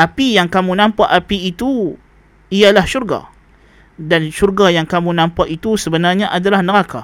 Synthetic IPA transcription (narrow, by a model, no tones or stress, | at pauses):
ʔapijaŋkamũnãmpaʔapiːt̪u | ialahʃurɡa̰ | danʃurɡajaŋkamũnãmpaʔit̪usəbənarɲaʔadalahnəɾaka